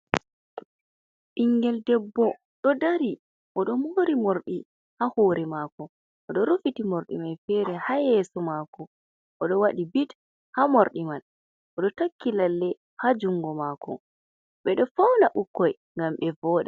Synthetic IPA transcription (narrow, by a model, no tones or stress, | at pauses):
ʔiŋɡɛldɛbːɔ | ɗɔdaɾi | ʔɔɗɔmoːɾimoɾɗi | hahoːɾɛmaːkɔ | ʔɔɗɔɾufitimoɾɗḭmanfɛːɾɛhajɛsɔmaːkɔ | ʔɔɗɔwaɗibit | hamoɾɗiman | ʔɔɗɔtakːilalːɛ | had͡ʒuŋɡɔmakɔ̰ | ɓɛɗɔfawnaʔukːɔj | ŋɡamɓɛvɔːɗa